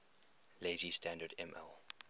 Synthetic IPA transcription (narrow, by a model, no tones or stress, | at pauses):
leɪzistʰæ̃ndədɛ̃mɛ̰lˠ